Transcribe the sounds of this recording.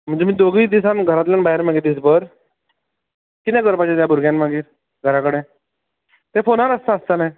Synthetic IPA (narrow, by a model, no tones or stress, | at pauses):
m̤əɳd͡zd͡ʑemiːd̪oɡid̪isanɡʱəɾãt̪lanbaɦeɾmaɡed̪is̬bəɾ | kit̪jãɡəɾpat͡ɕet̪jabʱuɾɡjãnmaɡiːɾ | ɡʱəɾakəɽẽ | t̪ẽfonaɾəst̪aəst̪əlã